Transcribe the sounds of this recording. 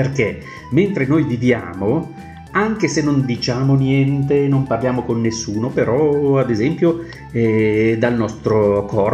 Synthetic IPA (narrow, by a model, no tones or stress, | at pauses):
perke | ment̪ɾenojvivja̰ːmo | aŋkesenːond̪it͡ʃaːmonjɛnt̪enomparljaːmokonːesːuːnopeɾɔad̪ezɛmpjo | ɛd̪alnɔst̪ɾokʰɔr